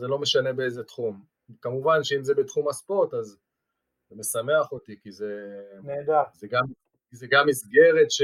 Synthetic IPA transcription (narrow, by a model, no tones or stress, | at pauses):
zelo̞me̞ʃane̞beejzet̪χum | kamuvanʃeimzebet̪χumaspo̞ʁt̪az | me̞same̞aχot̪ikizenedazeɡam | kizeɡamːisɡe̞ʁe̞tʃ